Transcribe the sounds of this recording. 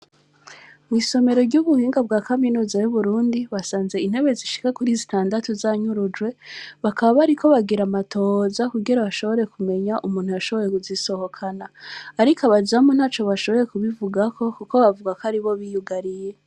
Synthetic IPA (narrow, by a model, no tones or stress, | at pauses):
mwiso̞me̞ɾo̞ɾɟuːβuhiːŋɡab̚ɡaːkaminuːzajuβuɾuːndiβasaːnze̞in̥he̞βe̞ziʃi̥kakuɾiːzitaːndatozaɲuɾud͡ʒwe̞βakaβaβaɾikʰo̞βaɡiɾamatʰo̞zakuɡiɾaβaʃo̞βo̞ɾe̞kume̞ɲaʔumuːnhujaʃo̞βo̞ɾe̞kuziso̞ho̞kʰanaːɾikaβazamon̥haːt͡ʃo̞βaʃo̞βo̞ɾe̞kuβivuɡakʰo̞kuko̞βavuɡakoaɾiβo̞βijuɡaɾije̞